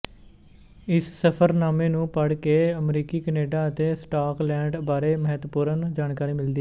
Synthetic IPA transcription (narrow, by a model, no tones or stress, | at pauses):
ɪssəpʰəɾnaːmẽːnũːpəɽkeːəmɾiːkiːkəneːɖaːət̪eːsʈaːklɛ̃ːɳɖbaːɾeːməɦət̪puːɾənd͡ʒaːnkaːɾiːmɪld̪iː